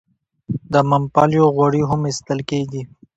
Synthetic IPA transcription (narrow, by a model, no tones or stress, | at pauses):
d̪əmampɑljoɣwaɽiɦʊmɪst̪əlkeɡi